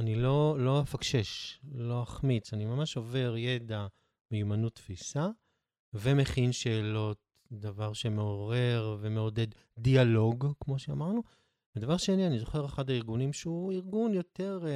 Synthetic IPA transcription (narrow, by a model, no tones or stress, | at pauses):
anilo̞lo̞afakʃe̞ʃlo̞aχmit͡sanimamaʃove̞ʁje̞da | mejumanut̪ːfisa | vemeχinʃe̞ːlo̞t̚ | d̪avaʁʃe̞meoʁe̞ʁve̞meo̞de̞d̪ː | ialo̞ɡkmo̞ʃea̰maʁnu | bed̪avaʁʃenianizo̞χe̞ʁeχadaiʁɡunimʃeuiʁɡunjo̞te̞ʁ